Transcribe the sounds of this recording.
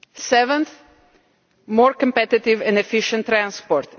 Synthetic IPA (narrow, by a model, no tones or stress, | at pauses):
sɛvə̃nθ | mɔɹkɔ̃mpɛt̪ɪt̪ɪvɛ̃ndɛfɪʃə̃nt̪ːɾãnspɔɾt̪